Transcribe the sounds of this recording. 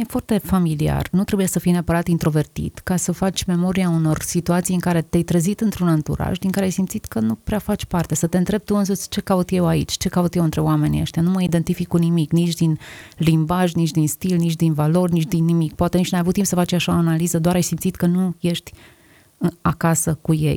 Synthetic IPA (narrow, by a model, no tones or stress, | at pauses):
efoart̪e̞familia̰rnut̪ɾe̞bujesəfijneapəɾat̪int̪ɾo̞ve̞rt̪ḭt̪kasəfat͡ʃʲme̞mo̞ɾiauno̞rsit̪uat̪sijɨŋkaɾe̞t̪ajt̪ɾəzit̪ɨnt̪ɾunɨnt̪ṵɾa̰ʒd̪iŋkaɾeajsimt̪sit̪kənupɾeafat͡ʃʲpart̪e̞sət̪e̞ɨnt̪ɾe̞b̚t̪uɨnsusʲt͡ʃe̞kaut̪je̞waḭt͡ʃʲt͡ʃe̞kaut̪jewɨnt̪ɾe̞wame̞nḭḛʃt̪januməid̪e̞nt̪ifikunimiknit͡ʃʲd̪inlimbaʒnit͡ʃʲd̪inst̪ilnit͡ʃʲd̪invalo̞rʲnit͡ʃd̪inːimikpoat̪enit͡ʃnajavut̪ːimpsəfat͡ʃʲaʃaoanalizəd̪oaɾajsimt̪sit̪kənuje̞ʃt̪ʲ | akasəkuje̞̰j